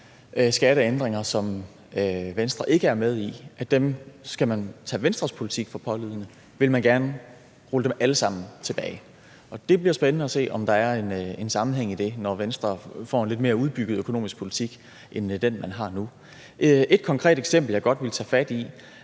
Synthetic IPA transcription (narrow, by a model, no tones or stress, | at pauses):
sɡ̥æɾəend̥ʁeŋɐsɒ̽m | ʋensd̥ʁɐʔe̝ɡ̥əæɐmeð̞ˠiʔæd̥emsɡ̥æmænt͡sʰɛ̰ːʋensd̥ʁɐspʰo̝lit͡sʰiɡ̥fɒ̽pʰɒ̽liðˠnə | ʋe̝lmænɡ̥æɐnə | ʁoləd̥emæləsɑ̈m̰n̩t͡sʰe̝b̥ɛ̰ːɪ | ɒ̽d̥e̝b̥liɐsb̥enənəæse̝̰ːɒ̽md̥ɑ̈æɐe̝ne̝nsɑ̈mn̩ɦeŋ̰id̥e̝nɒʋensd̥ʁɐfɒ̰ːenle̝d̥me̝ːɐuð̞ˠb̥yɡ̥ð̞̩ˠøkʰo̝no̝̰ːmisɡ̥pʰo̝lit͡sʰiɡ̥ | ʔend̥enmænɦɑ̈nu | e̝d̥kʰɒ̽ŋkʰʁɛ̰ːd̥eɡ̥sem̰b̥l̩jɑɡ̥ɒ̽d̥ʋe̝lt͡sʰɛ̰ːfæd̥i